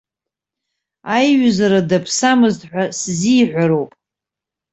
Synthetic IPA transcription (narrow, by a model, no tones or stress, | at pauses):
ajɥzaɾadapʰsamɨztʼħʷᶣaszijħʷaɾo̞wpʼ